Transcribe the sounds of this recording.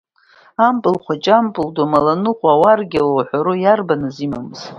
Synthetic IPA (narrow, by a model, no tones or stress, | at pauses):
ampʼɨlχʷat͡ʃʼampʼɨldamalanɨqʷʼawarɡʲalowħʷaɾɨjarbanɨzimamɨz̥